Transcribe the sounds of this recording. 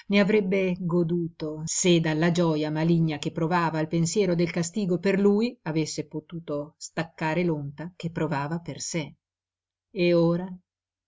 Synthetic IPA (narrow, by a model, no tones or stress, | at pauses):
neavɾɛbːeɡod̪uːt̪osed̪alːad͡ʒɔːjamaliɲːak̟epːɾovaːvaːlpensjɛːɾod̪elkast̪iːɡoperluːjavesːepot̪uːt̪ost̪akːaːɾelont̪ak̟epːɾovaːvaperse | eoːɾa